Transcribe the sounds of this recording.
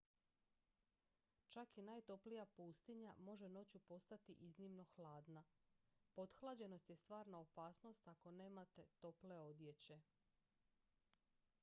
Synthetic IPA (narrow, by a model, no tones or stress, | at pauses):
t͡ʃakinajt̪o̞plijapuːst̪iɲamo̞ʒe̞no̞t͡ɕupo̞st̪at̪iʔiznimno̞xlaːd̪napo̞d̪xlˠad͡ʑe̞no̞st̪je̞st̪ʋaːɾnaopaːsno̞st̪ako̞ne̞ːmat̪e̞t̪o̞ple̞o̞d̪je̞t͡ɕe̞